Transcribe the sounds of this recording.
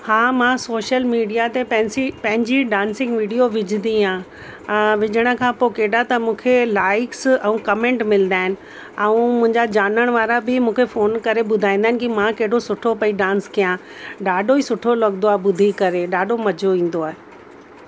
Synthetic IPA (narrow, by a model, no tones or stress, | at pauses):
hãːmãsoːʃəlmiːɖijat̪epɐ̃ɦɪ̃nsipɐ̃ɦɪ̃ɲd͡ʑiɖãːnsɪ̃ŋɡʋiːɖijoʋɪd͡ʑʱɪnd̪iãː | ʋɪd͡ʑʱəɽ̃ə̆kʰãːpoːkeːɗat̪ɐmũːkʰelaːɪksɛ̃ũkɐmẽːɳʈmɪlnd̪aːɪnɪ̆ | ɛũmʊ̃ɦɪ̃ɲd͡ʑad͡ʑaːnəɽ̃ʋaːɾabɪmũːkʰefoːnkɐɾebʊd̪ʱaːĩnd̪aɦɪnɪkimãkeɦɪɽosʊʈʰopɐiɖãːnskijã | ɖaːɖoiːsʊʈʰolɐɠnd̪oaːɦbʊd̪ʱikɐɾeɗaːɖomɐd͡ʑʱoĩːn̆d̪oaːɦe